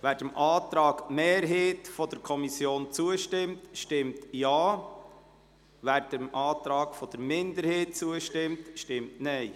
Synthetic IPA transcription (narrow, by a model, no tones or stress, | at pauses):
ʋæːɾdəmʔɑːt̪ɾɑːɡmeːɾɦeːtfɔd̥əɾkʰɔmisjoːnt͡suəʃtɪmtʃtɪmttjɑː | ʋæːɾdəmʔɑːt̪ɾɑːɡ̥fɔd̥̪əɾmɪnd̪əɾheːt̚t͡suəʃtɪmtʃtɪmtnɛɪ